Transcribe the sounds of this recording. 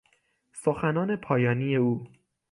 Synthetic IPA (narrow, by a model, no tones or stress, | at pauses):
soxænɒːne̞pʰɒːjɒːniːje̞uː